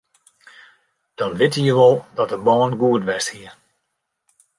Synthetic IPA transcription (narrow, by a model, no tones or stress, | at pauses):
d̥ɔnʋɪtəjəʋɔlˠdɔt̚əbɔːnɡuətʋɛsthiər